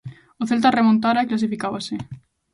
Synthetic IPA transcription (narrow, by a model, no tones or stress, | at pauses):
oθelt̪̬aremõnt̪aɾaeklas̬ifikaβase